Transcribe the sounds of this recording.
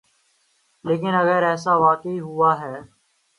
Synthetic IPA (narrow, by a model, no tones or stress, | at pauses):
leːk̬ɪnɐɣəɾɛːsaʋaːkeiɦʊaːɦɛː